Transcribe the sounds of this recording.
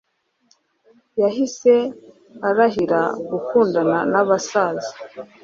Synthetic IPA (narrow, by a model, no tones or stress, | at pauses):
jaɦise̞ | aɾaɦiɾaɡukuːndananaβasaːzi